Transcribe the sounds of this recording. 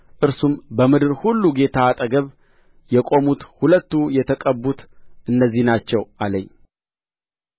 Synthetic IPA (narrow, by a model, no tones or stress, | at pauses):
ʔɨɾsumbəmɨd̪ɨɾhulːuɡe̞t̪ʰaːt̪ʼəɡəβ | jɛkʼo̞mut̪hulət̪ːujɛt̪ʰəkʼəbːut̪ʔɨnːəzːihnat͡ʃːɛwʔaləɲː